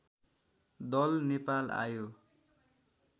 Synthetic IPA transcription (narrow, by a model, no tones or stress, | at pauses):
d̪ʌlnepala̰jo